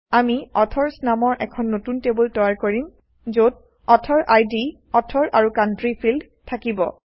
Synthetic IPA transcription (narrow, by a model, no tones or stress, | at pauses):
amiɔtʰɔɹsnamɔɹʔɛkʰɔnːotuntebultɔjaɹkoɹim | zot̚ | ɔtʰɔɹʔajdi | ɔtʰɔɹʔaɹukantɹipʰild | tʰakibɔ̰